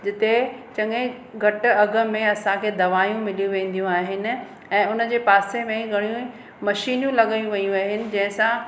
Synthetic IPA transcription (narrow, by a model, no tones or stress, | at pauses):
d͡ʑɪt̪et͡ɕɐ̃ŋẽ | ɡʱɐʈʊ̆ɐɡʱə̆mẽɐsãkʰeːd̪ɐʋaːjũmɪlijũʋẽːn̆d̪ijũaːɦɪnɪ̆ | ɛ̃ːʊnə̆d͡ʑeːpaːsemẽɡʱɐɽ̃ijũ | mɐʃiːnjũlɐɠajũʋɐjũaːɦɪnɪ̆d͡ʑɐ̃ɦɪ̃sã